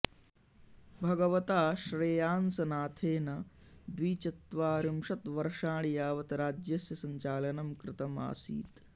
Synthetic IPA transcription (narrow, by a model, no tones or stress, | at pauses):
bʱɐɡɐʋɐt̪aːʃɾejaːnsɐnaːt̪ʰeːnɐ | d̪ʋiːt͡ʃɐt̪ʋaːɾimʂɐt̪ʋɐɾʂaːɳijaːʋɐt̪ɐɾaːd͡ʒjɐsjɐsɐɲt͡ʃaːlɐnɐmkɾɪt̪ɐma̰ːsḭːt̪